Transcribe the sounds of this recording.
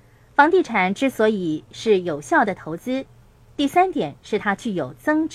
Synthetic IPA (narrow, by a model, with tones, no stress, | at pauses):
fɑ˧˥ŋt̪i˥˩ʈ͡ʂʰa˨˩nʈ͡ʂɻ̩˥swɔ˧˥i˨˩ʂɻ̩˥˩jo˨˩ʊɕjɑ˥˩ʊd̪ə˩t̪ʰo˧˥ʊt͡sɹ̩˥ | t̪i˥˩sa˥nt̪jɛ˨˩˦nʂɻ̩˥˩t̪ʰa˥t͡ɕʰy˥˩jo˨˩ʊt͡sɤ˥ŋ